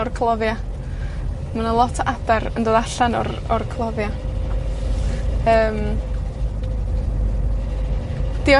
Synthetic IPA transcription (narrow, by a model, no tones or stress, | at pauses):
ɔrkʰlˠɔvja | manənlˠɔtʰabɛrəndoːðaɬanɔ̰r | ɔrkʰlˠɔvja | əːm | d̥ɪɔ